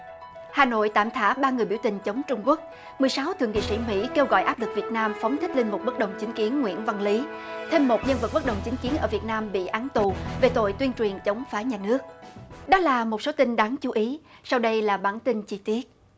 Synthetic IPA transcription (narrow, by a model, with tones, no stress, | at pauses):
haː˨˩no̰˧˨jt̪a̰ː˧˨mt̪ʰa̰ː˧˥ɓaː˧ŋɨ˨˩əjɓi˧˩wt̪ï˨˩ŋ̟t͡ɕə˨˦wŋ͡mt͡ɕʊ˧ŋ͡mku˦˥ək̚ | mɨ˨˩əjsa˨˦wt̪ʰɨ̰˨˧˩əŋḭ˧˨sḭ˧˥˩mḭ˧˥ke˧wɣɔ̰˧˨jʔaː˦˥p̚lɨ˨˩k̚vi˨˩ət̚naː˧mfɔ˨˦ŋ͡mt̪ʰï˦˥k̟̚lï˧n̟mʊ˨˩t̚ɓə˦˥t̚ɗə˨˩wŋ͡mt͡ɕï˨˦ŋ̟ki˨˦ənŋwḭ˧˥ənva˧ŋli˨˦t̪ʰe˧mːo˨˩t̚ɲə˧nvə˨˩t̚ɓə˦˥ɗə˨˩wŋ͡mt͡ɕï˨˦ŋ̟ki˨˦ənʔəː˧˩vi˨˩t̚naː˧mɓḭ˧˨ʔaː˨˦nt̪u˨˩ve˨˩t̪o̰˧˨jt̪wi˧ənt͡ɕwi˨˩ənt͡ɕə˨˦wŋ͡mfaː˨˦jɲaː˨˩nɨ˦˥ək̚ɗɔ˨˦˥laː˨˩mo˨˩t̚so˨˦t̪ï˧nɗa˨˦ŋt͡ɕu˨˦ʔi˨˦sa˧wɗə˧jlaː˨˩ɓa̰ː˧˩nt̪i˧nt͡ɕi˧t̪i˦˥ət̚